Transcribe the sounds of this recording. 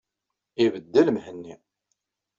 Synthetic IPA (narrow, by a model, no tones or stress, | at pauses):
ivəd̪ːəlmhənːi